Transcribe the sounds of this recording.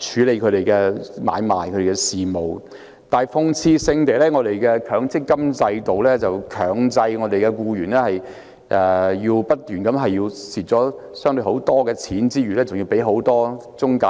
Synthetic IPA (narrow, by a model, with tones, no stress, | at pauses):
t͡ʃʰyː˨˧˥le˨˧jkʰɵ˨˧˥t̪e˨˩jkɛː˧ma̰ː˨˧jma̰ː˨jkʰɾe˨˩kɛ˧siː˨mo˨w | t̪aː˨˩jfʊ˧ŋt͡sʰiː˧sɪ˧ŋt̪e˨˩jlɛː˥ŋɔː˨˧d̪e˨jkɛː˧kʰœː˨˥ŋt͡sɪ˥kːɐ˥mt͡sɐ˧jt̪o˨wlɛː˥t͡sɐ˨wkʰœː˨˩ŋt͡sɐ˧jŋɔ˨˧d̪e˨jkɛː˧kuː˧ɥyː˨˩nlɛː˥hɐ˨j | ʔɛ˨˧jiː˧wpɐ˥t̚t̪yː˨˩nkɐ˨˥mɦɐ˨jːiː˧wsiː˨t̚t͡sɔː˨˥ | sœː˥ŋt̪ɵ˧ho˨˥wt̪ɔː˥kɛː˧t͡sʰiː˨˥nt͡siː˥ɥyː˨˩lɛː˥t͡sʊ˨ŋjiː˧wpe˨˥jɦo˨˥wt̪ɔː˥t͡sʊ˥ŋkaː˧